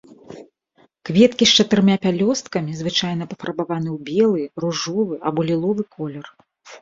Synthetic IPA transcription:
kvʲɛt̪kʲist͡ʂɐt̪ɨɾɨmʲapʲalʲɔst̪̚kɐmʲizvɨt͡ʂajn̪ɐpɐfɐɾɐbavan̪ɨwbʲɛlˠɨruʐɔvɨʔɐbɔlʲilˠɔvɨkʰɔlʲɛr

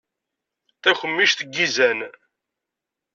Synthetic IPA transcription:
θæçəmːiʃθəɡːizæn

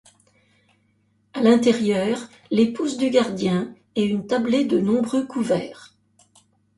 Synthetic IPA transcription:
alɛ̃t̪ɛʁjœːʁ | lepuzd̪yɡaʁd̪jɛ̃ | ɛynt̪abled̪ənɔ̃bʁøkuvɛːʁ

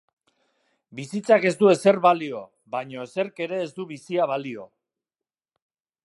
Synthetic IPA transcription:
bisit͡sake̞zd̪ue̞se̞ɾβalio̞ | βaɲo̞ese̞ɾke̞ɾe̞ːzd̪uβisiaβalio̞

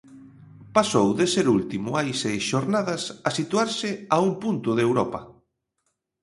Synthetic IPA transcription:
pasowðeseɾult̪imʊajsejsʃoɾnaðɐsasit̪uaɾsɪaumpunt̪ʊðewɾɔpɐ

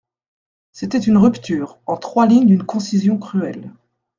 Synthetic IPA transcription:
set̪ɛt̪ynʁypt̪yːʁɑ̃t̪χwaliɲd̪ynkɔ̃sizjɔ̃kχyɛl

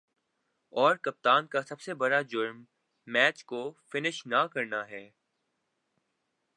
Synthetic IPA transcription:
ɔːɾkɐp̚t̪aːnkasɐbsebɐɽad͡ʒʊɾmː | ɛːt͡ʃkofɪnɪʃnakɐɾnaɦɛː

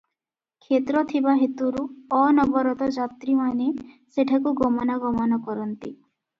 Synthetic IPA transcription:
kʰet̪ɾɔt̪ʰibaɦet̪uɾuɔnɔbɔɾɔt̪ɔd͡ʒat̪ɾimane | seʈʰakuɡɔmɔnaɡɔmɔnɔkɔɾɔnt̪i

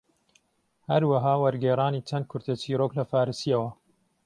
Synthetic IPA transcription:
hɐɾwɐɦaːwɐɾɡeːɾaːniːt͡ʃɐnd̪̚kʰʊɾt̪ɐt͡ʃiːɾoːklɐfaːɾɨsijɐwɐ

